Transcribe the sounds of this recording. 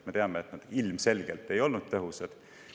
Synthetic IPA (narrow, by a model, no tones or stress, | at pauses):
me̞t̪eɑmeet̪nɑd̪̥ilmse̞lɡ̥elt̪ːˑe̞jo̞lnud̪̥̚t̪ːɤɦused̪̥